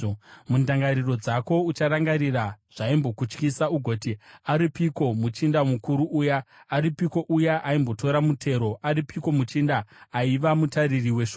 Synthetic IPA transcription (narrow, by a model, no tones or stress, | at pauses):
mundaŋɡaɾiro̞d͡zako̞ut͡ʃaɾaŋɡaɾiraʐ̥aimbo̞kut͡ʃkisauɡʱo̞tiaɾipiko̞mut͡ʃindamukuɾuʔuːjaːɾipiko̞ʔujaʔaimbo̞to̞ɾamutʰe̞ɾo̞ʔaɾipiko̞mut͡ʃindaːiʋamutaririwe̞ʃo